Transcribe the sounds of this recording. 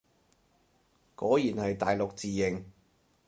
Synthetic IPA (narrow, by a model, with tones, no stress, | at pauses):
kɔː˨˥jiː˨˩nhɐ˨jt̪aː˨jlʊ˨k̚t͡siː˨˧jɪ˨˩ŋ